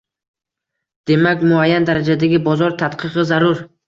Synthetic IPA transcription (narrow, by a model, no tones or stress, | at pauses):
d̪̥e̞makʲmʊajːand̪aɾad͡ʒad̪aɡʲɪbɒzɒɾt̪ʰat̪qʰɨqɨzaɾʊɾ